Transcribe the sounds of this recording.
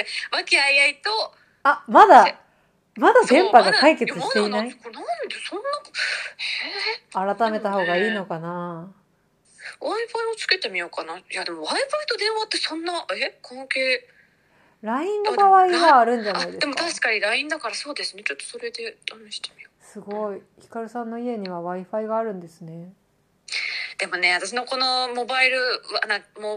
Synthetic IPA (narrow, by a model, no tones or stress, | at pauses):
βakʲiaiait̪o | amad̪a | mad̪ad̪ẽ̞mpaɡakaike̞t͡sɨit̪e̞inaaikonãnd̪esõnːaheaɾat̪ame̞t̪aho̞ːɡaiːno̞kana | aipaɾiot͡sɨ̥ke̞t̪emʲijo̞kanajad̪e̞mo̞aipait̪o̞d̪ẽ̞ɰ̃βat̪ːe̞sõ̞nːaekʰõŋkeː | ɾaĩnːokaβaiɡaːɾɯ̟̃ɲd͡ʑanidd̪e̞mot̪aɕi̥kaɲ̟iɾaĩnd̪akaɾaso̞ːd̪e̞sɨne̞t͡ɕo̞t̪ːo̥so̞ɾe̞d̪e̞d̪̥ameɕi̥t̪e̥mʲijosɨɡo̞içi̥kaɾɯ̟sãnːo̞ie̞ɲ̟iβaβaiɸaiɡaːɾɯ̟̃nd̪e̞sɨne̞ | d̪̥e̞mo̞ne̞βat̪aɕ̬ino̞ko̞no̞mo̞baiɾɯ̟βanãmo